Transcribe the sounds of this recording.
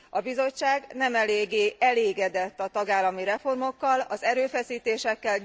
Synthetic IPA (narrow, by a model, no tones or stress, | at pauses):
ɒbizo̞t͡ʃːaːɡnɛmɛleːɡːeːʔɛleːɡɛd̪ɛt̪ːɒt̪ɒɡaːlːɒmiɾɛfo̞rmo̞kːɒlɒzɛɾøːfɛsiːt̪eːʃɛkːɛl